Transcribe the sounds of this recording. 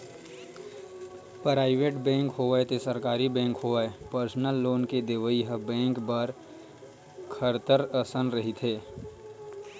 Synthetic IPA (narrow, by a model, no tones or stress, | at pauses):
pɾaːɪʋeːʈbɛ̃ːŋkɦoːaet̪osəɾkaːɾibɛ̃ːŋkhoːʋaepəɾsnəlːoːnked̪eʋəiɦəbɛ̃ːŋkbəɾ | kʰəɾt̪əɾəsənɾɐɦit̪ʰeː